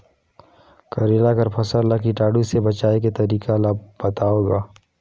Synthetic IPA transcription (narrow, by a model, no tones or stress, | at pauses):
kɐɾeːlakɐɾpʰɐsəɾlakiʈaːɖusebɐt͡ʃaːeket̪ɐɾiːkalaːbɐt̪aːoːɡaː